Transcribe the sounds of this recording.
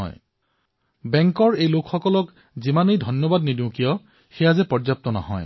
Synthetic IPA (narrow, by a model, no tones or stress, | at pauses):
j | bɛŋkɔɹejlokʰxɔkɔlɔk | zimanejdʱɔnjɔbad̚nidiʊ̃kijɔ | xɛjazɛpɔzap̚t̪ɔna̰ɦɔ̰j